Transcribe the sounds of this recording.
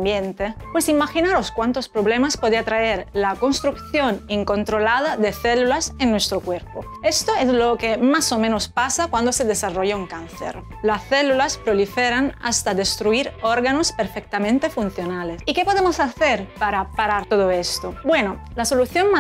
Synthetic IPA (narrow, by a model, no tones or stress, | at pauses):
bjent̪epwesimaxinaɾoskwant̪ospɾoβlemaspoðiat̪ɾaeɾlakonst̪ɾukθjoniŋkont̪ɾolaðad̪eθelulasenːwest̪ɾokweɾpo | est̪oeslokemasomẽnospasakwand̪osed̪esaroʝauŋkanθḛɾ | lasθelulaspɾolifeɾana̰st̪ad̪est̪ɾuiɾoɾɣanospeɾfek̚t̪amẽnt̪efunθjonalesikepoðemosaθeɾpaɾapaɾaɾt̪oðoest̪obweno | lasoluθjonma